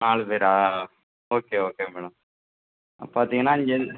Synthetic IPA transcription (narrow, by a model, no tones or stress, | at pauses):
naːɭpeːɾaː | oːkeoːkeːmɛːɽɐm̰ | paːɾt̪iːŋɡɐnːaːɪɲd͡ʒɛ